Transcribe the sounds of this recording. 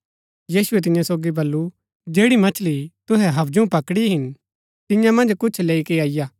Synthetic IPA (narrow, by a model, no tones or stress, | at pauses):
jiːsʊɛt̪ɪ̃jãsoːɡibɐlːu | d͡ʒeːɽimɐt͡ʃʰlit̪ʊɦɛɦɐbd͡ʒoũpɐkɽiɦɪn | t̪ɪjãmɐ̃nd͡ʒkʊt͡ʃʰleːikeaːɪjaː